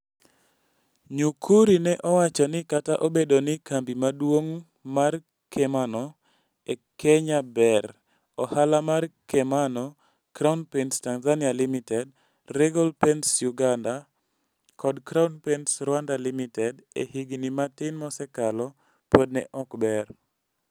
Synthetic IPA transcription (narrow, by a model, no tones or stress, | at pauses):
ɲukʰuɾinɛʔɔwat͡ʃɔnɪkataʔobedonɪkambimadwoŋ | mar | kɛmanɔ | ekʰɛɲabɛr | ɔhalamarkɛmanɔ | kɾaunpɛnstanzanialimitɛd̚ | ɾɛɡɔlpɛnsjuɡanda | kʰɔdkɾaunpɛnsɾwandalimitɛdḛhiɡinimatɪnmɔsɛkalɔ | pod̚nɛ̰ʔɔkbɛr